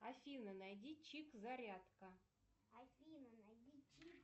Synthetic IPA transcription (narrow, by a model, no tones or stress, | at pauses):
afʲinənajdʲit͡ɕikzaɾʲat̪kə | afʲinʲi